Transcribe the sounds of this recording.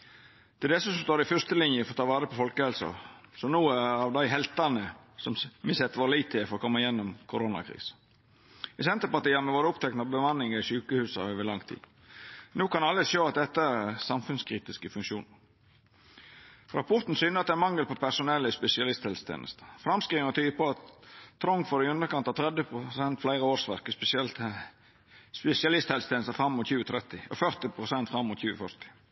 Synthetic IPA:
d̪̥ɛd̪ɛsːəsɔmst̪oːɾɪfœɾst̪əlɪnjəfɔɾt̪ʰɑːʋɑːɾəpʰɔfɔlkəhɛlsɑ̰sɔnuːəɑʋd̪æɪɦɛlt̪ɑnə | sɔmmɪsɛt̪ːəʋɑːɾliɪt̪ʰːɪfɔɾɔkʰɔmːəɪjɛnːɔmkʰʊɾoːnɑ̰kʰɾḭːsə̥ | ɪsɛnt̪əɾpɑɾʈ̪iːəmɛʋoːɾəʊpt̪ʰɛk̚nɑbəmɑnːɪŋəɾɪʃʉːkəhʉːsɑ̰øːʋəɭɑŋt̪ʰḭː | nuːkɑnɑlːəʃøːɑt̪̚d̪ɛt̪ːəæɾsɑmfʉnskʰɾiːt̪ɪskəfʉŋkʃuːnə | ɾɑpʰɔɾt̪n̩syːnəɑt̪d̪ɛænmɑŋːəlpɔpʰæsʊnɛlːəɪspɛsɪɑlɪst̪hɛlsət̪ʰḛːnə̰st̪ə̥fɾɑmskɾiːʋənɔt̪ʰyːpɔɑt̪t̪ʰːɾɔŋfɔɾɪʉnd̪əɾkɑnt̪ɑt̪ʰɾɛd̪əpʊsɛnt̪flæɪɾəoːɾsʋæɾkəspɛɛlt̪ | spɛsɪɑlɪst̪hɛlsət̪ʰeːnəst̪əfɾɑmːʊt̪çʉːət̪ʰɾɛt̪ɪɔ̰fœɾt̪ɪpʰɾʊsɛnt̪fɾɑmːʊt̪çʉːəfœɾt̪ɪ̥

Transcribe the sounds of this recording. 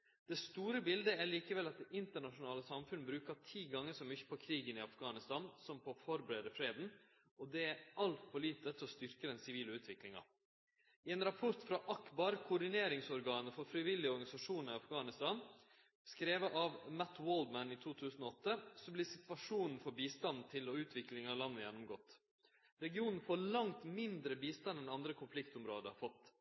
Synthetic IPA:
d̪̥ɛst̪uːɾəbɪld̪əæɾɭiːkəʋɛlɑt̪̚d̪ɛʔɪnt̪əɳɑʂʊnɑːləsɑmfʉnːəbɾʉːkɑt̪ʰiːɡɑŋːəʂɔmʏçːə̥pʰɔkʰɾiːɡənɪɑfɡɑːnɪst̪ɑːnsɔmpʰɔfɔɾbəɾeːd̪əfɾeːd̪n̩ | ɔd̪ɛæɾʔɑlt̪fɔɭiːt̪ət̪ʰɔst̪ʏɾkəd̪ɛnsɪʋiːləʉːt̪ʰʋɪklɪŋɑ̰ | ɪeːnɾɑpʰɔɾt̪fɾɑʔɑkbɑɾkʰʊɖ̪ɪneːɾɪŋsɔɾɡɑːnəfɔɾfɾɪʋɪlːɪɔɾɡɑnɪsɑʂuːnɑɪɑfɡɑːnɪst̪ɑn | skɾeːʋəʔɑʋmæt̪woːld̪mænɪt̪ʰuːt̪ʰʉːsn̩ɔɔt̪ːəsɔblɪsɪt̪ʋɑʂuːnn̩fɔɾbiːst̪ɑnt̪ʰɪlɔʉːt̪ʰʋɪklɪŋɑlɑnːəjɛnːʊmɡɔːt̪ː | ɾɛɡɪuːnn̩foːɭɑŋt̪mɪnd̪ɾəbiːst̪ɑnɛnɑnd̪ɾəkʰʊnflɪkt̪ʊmɾo̰ːd̪əɑfɔt̪ː

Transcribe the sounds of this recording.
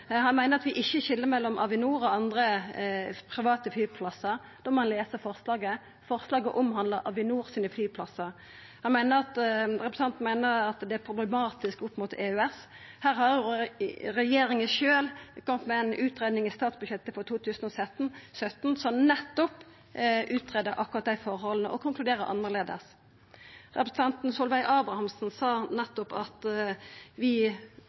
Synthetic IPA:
hɑnmæɪnəɑt̪ʋɪʔɪçːəɕɪlːəɾmɛlːɔmʔɑ̰ʋɪnuːɾɔɑnd̪ɾə | pʰɾɪʋɑːt̪əflyːpʰlɑsːəɾ | d̪̥ɔmɔhɑnleːsəfɔʁslɑːɡə | fɔɾslɑːɡəʔʊmhɑnləɾʔɑʋɪnuːɾsiːnəflyːpʰlɑsːəɾ | hɑnmæɪnəɾɑt̪ɾɛpɾəsɑnt̪nmæɪnəɾɑt̪d̪ɛæɾpʰʁʊblɛmɑːt̪ɪskʊpːmʊt̪ḛːʉɛs | hæːɾhɑɾj | ɾɛjeːɾɪŋəʃøːlkɔmət̪mɛænʔʉːt̪ɾeːd̪nɪŋɪst̪ɑːt̪sbʉjɛt̪ːəfɔt̪ʰuːt̪ʰʉːsən̩ɔsɛt̪n̩sœt̪ːn̩sɔnɛt̪ːɔp | ʔʉːt̪ɾeːd̪əɾʔɑkːʊɾʁɑt̪̚d̪æɪfɔɾhɔlnəʔɔkʰʊŋklʉd̪eːɾəɾʔɑ̰nːəʁleːd̪ə̰s | ɾɛpɾəsət̪ɑnt̪n̩sɔlʋæɪʔɑːbɾɑhɑmsn̩sɑːnɛt̪ːɔpɑt̪ | ʋɪ

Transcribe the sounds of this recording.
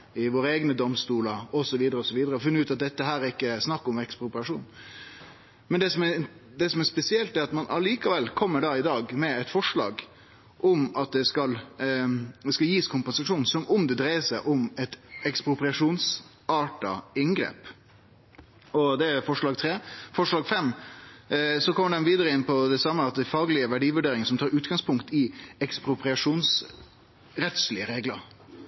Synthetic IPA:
ɪʋoːɾəeːɡnəd̪ɔmst̪uːləɾɔsɔʋiːd̪əɾəɔsɔʋiːd̪əɾəɔfɪnːəʉːt̪ɑt̪̚d̪ɛt̪ːəɦæːɾæɾɪkːəsnɑkːɔmɛkspɾʊpɾɪɑʂuːn | mɛnd̪ɛsɔmɛd̪ɛsɔmæspɛsɪɛlt̪d̪ɛæɾɑt̪mɑnʔɑliːkɑʋɛlːkʰɔmːəɖɑɪd̪ɑːɡmɛɛt̪fɔʂɭɑ̰ːɡ | ʔʊmɑt̪̚d̪ɛskɑl | ɛskɑljiːskʰʊmpɛnsɑʂuːnn̩sɔmʊmd̪ɛd̪ɾæɪəsæɪʔʊmɛt̪ɛkspɾʊpɾɪɑʂuːns | ɑːʈɑ̰ɪŋɡɾḛːp | ɔd̪ɛæɾfɔʂɭɑːɡ̚t̪ʰɾeːfɔʂɭɑːɡfɛmː | sɔkʰɔmːəɖ̪ɛnʋiːd̪əɾəɪnːpɔd̪ɛsɑmːəɑt̪̚d̪æfɑːɡlɪəʋæɖiːʋʉɖeːɾɪŋəsɔmt̪ʰɑːɾʉːt̪ɡ̥ɑŋspʰʊŋkt̪ɪɛkspɾʊpɾɪɑʂuːns | ɾɛt̪slɪəɾeːɡlə̰ɾ

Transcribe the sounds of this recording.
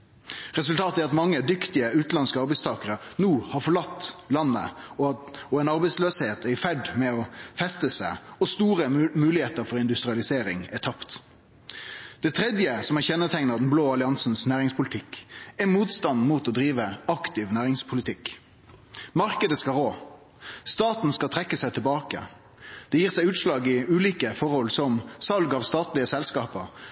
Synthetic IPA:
ʁɛsʉlt̪ʰɑːt̪əæɾɑt̪mɑŋːəd̪ʏkt̪ɪəʉːt̪n̩ɑnskəɑɾbɛɪst̪ʰɑːkəʁənuːhɑfɔɭɑt̪ːlɑnːə̰ɔɔɛnɑɾbɛɪsløːsheːt̪æɾɪfæɖmɛɔfɛst̪əsæɪɔst̪uːɾəmʉːlɪheːt̪əɾfɔɾɪnd̪ʉst̪ɾɪɑlɪseːɾɪŋæt̪ʰɑpt̪ | d̪̥ɛt̪ʰɾɛd̪jəsɔmæʁçɛnːət̪ʰɛŋnəʁd̪ɛn̩bloːɑlɪɑnsn̩snæːʁɪŋspʰʊlɪt̪ʰɪkæmuːt̪st̪ɑnd̪muːt̪ɔd̪ɾiːʋəɑkt̪ɪʋnæːʁɪŋspʰʊlɪt̪ʰɪk | mɑʁkəd̪əskɑʁoː | st̪ɑːt̪n̩skɑlt̪ʰʁɛkːəsæɪt̪ʰɛbɑːkə̰ | d̪̥ɛjiːʁsæɪʉːt̪ʃlɑːɡɪʉːliːkəfɔʁhɔlsɔmsɑlɡɑːʋst̪ɑːt̪lɪəsɛlskɑːpəɾ

